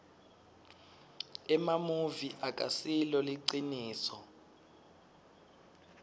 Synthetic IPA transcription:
ɛmamuviʔakʼasilɔliǀiniːsɔ

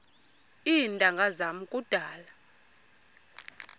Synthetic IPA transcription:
indʼʱaŋɡʱazamukʼud̥ʱaːla

